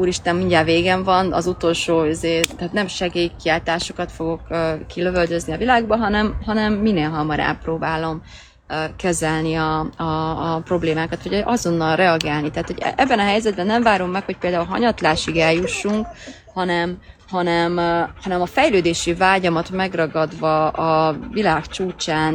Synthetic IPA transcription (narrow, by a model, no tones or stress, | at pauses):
uːɾiʃt̪ɛmːiɲɟaːveːɡɛɱvɒnɒ̰zut̪o̞lʃoːizeːt̪ɛːt̪nɛmʃɛɡeːjkiaːlt̪aːʃo̞kɒt̪fo̞ɡo̞køːiløvøld̪øzniɒvilaːɡbɒɦɒnɛmɦɒnɛmːineːlɦɒmɒɾa̰ːproːbaːlo̞mː | kɛzɛlniɒɒːpro̞bleːmaːkɒt̪ʋɒɟʔɒzo̞nːɒlrɛɒɡaːlnit̪ɛɦaːt̪ho̞ɟ̰ɛbːɛnɒɦɛjzɛd̪bɛnːɛɱvaːɾomːɛkho̞c̚peːld̪aːulɦɒ̰ɲɒt̪laːʃiɡɛljuʃːuŋk | hɒnɛmhɒnɛmhɒnɛmɒfɛjløːd̪eːʃivaːɟɒmɒt̪mɛɡrɒɡɒd̪vɒɒvilaːkt͡ʃuːt͡ʃaːn